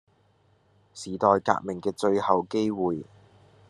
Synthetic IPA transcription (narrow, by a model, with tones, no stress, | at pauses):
siː˨˩t̪ɔː˨˧jka̰ː˧k̚mɪ˨˩ŋkɛː˧t͡ʃɵ˧ɥhɐ˨wke˥jwuː˨j